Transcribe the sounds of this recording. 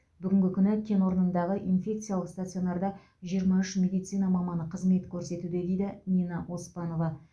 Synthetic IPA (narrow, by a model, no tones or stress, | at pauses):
bʏɡʲɪŋɡʲɪkʲʰʏnɪkʲʰe̞nwo̞ɾənənd̪ɑʁəʔinfʲe̞k̚t̪sɨjalˠəqst̪at̪sɨjo̞nɑɾd̪ɑ | ʒijəɾmɑʏʃmʲe̞d̪ijt̪sɨjnɑmɑmɑnəqʰəzme̞t̪kʲʰɵɾse̞t̪ud̪e̞d̪e̞jd̪ɪninɑʔo̞spɑno̞vɑ